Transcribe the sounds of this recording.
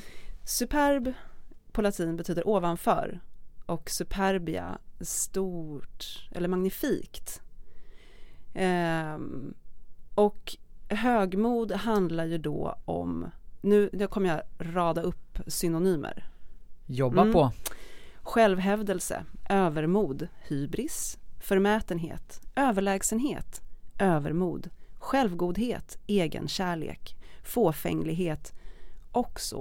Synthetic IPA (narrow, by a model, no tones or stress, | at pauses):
sɵpʰæɾbpʰɔlat̪ʰiːnbɛt̪ʰyːd̪əɾʔoːvanfœ̰ːɾʔɔksɵpʰæɾbɪa̰st̪uːʈʔɛ̰lːəɾmaŋnɪfiːkt̪ | ɔkɦøːɡmuːd̪ɦand̪laɾjɵɖ̪ɔ̰ɔ̰mnʉ̟ːnʉkʰɔmːəɾjaɾɑːd̪aɵpːsʏnʊnyːmə̰ɾ | jɔbapʰɔ | ɧɛlvɦɛvd̪əlsə̰ʔøːvəɾmuːd̪hyːbɾɪsfœɾmɛːt̪ənɦḛːt̪øːvəɭɛːɡsənɦḛːt̪ʔøːvə̰ɾmuːd̪ɧɛlvɡuːd̪ɦeːt̪eːɡə̰nɕæːɭḛːkfoːfɛ̰ŋlɪɡɦeːt̪ʔɔksɔ̰